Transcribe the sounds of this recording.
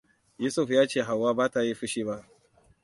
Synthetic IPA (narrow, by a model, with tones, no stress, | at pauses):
juː˦sʊ˦˨ɸjaː˦t͡ʃeː˦˨ɦa˨wːaː˦baː˦ta˨ji˦ɸʊ˦ʃiː˦ba˦ʔ